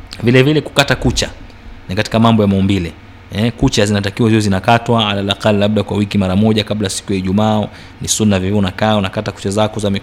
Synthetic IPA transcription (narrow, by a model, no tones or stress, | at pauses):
vilɛvilɛku̥katakut͡ʃa | nikati̥kamambɔjamaumbilɛ | ɛkut͡ʃazinat̬akiwaziɔzinakatwaalalaqallaɓ̚ɗakwawikimaɾamɔʄakablajasi̥kujaiʄumaː | nisunːavivɛunakaːunakataku̥t͡ʃazakɔzami